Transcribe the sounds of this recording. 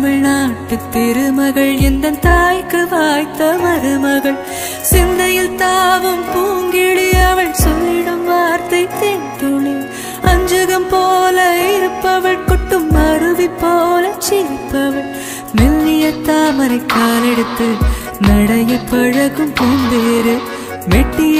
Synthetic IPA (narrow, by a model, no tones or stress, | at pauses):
mɐɻnaːʈːɯt̪ːɪɾɯmɐɣɐɭɛnd̪ɐnt̪aːjkɯʋaːjt̪ːɐmɐɾɯmɐɣɐɭ | sɪnd̪ɐjɪlt̪aːʋɯmpuːŋɡɪɽɪjɐʋɐɭsɔlːɪɽɯmʋaːɾt̪ɐɪt̪ent̪uɭi | ɐɲd͡ʒɐɣɐmpoːlɐɪɾɯpːɐʋɐɭkɔʈːɯmːɐɾɯʋipːoːlɐt͡ʃɪɾɯpːɐʋɐɭ | mɛlːɪjɐt̪ːaːmɐɾɐɪkːaːlɛɽɯt̪ːɯ | nɐɽɐjɯpɐɻɐɣɯmpuːmbeːɾɯ | ʋɛʈːɪj